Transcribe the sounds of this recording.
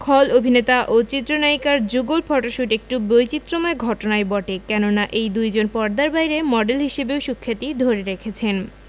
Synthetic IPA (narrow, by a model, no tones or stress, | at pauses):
kʰɔlobʱinet̪aʔot͡ɕit̪ːɾonajkaɾd͡ʑuɡolpʰɔʈoʃuʈek̚ʈubojt͡ɕit̪ːɾomaeɡʱɔʈonaebɔʈekɛnonaʔejd̪ujd͡ʑonpɔɾd̪aɾbajɾemɔɖelɦiʃebeoʃukʰːat̪id̪ʱoɾeɾekʰet͡ɕʰen